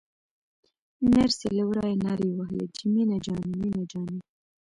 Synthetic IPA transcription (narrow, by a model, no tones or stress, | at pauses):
neɾseləwɾɑjenɑɾiwahlḛd͡ʒiminad͡ʒɑniminad͡ʒɑni